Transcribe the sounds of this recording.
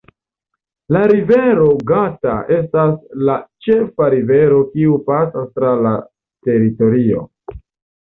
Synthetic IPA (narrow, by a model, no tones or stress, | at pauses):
laɾive̞ɾo̞ɡata̰ʔe̞staslat͡ʃe̞faɾive̞ɾo̞kiupasastɾala | te̞ɾito̞ɾio̞̰